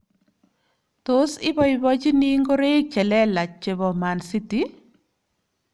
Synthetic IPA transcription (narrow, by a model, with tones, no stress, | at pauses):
to˦sɪ˦bɔ˦ɪ˦bɔ˦d͡ʒi˦ni˦ŋɡo˦ɾe˦t͡ʃɛ˨lɛ˦la˨t͡ʃe˨bɔ˨ma˨nsi˦ti˦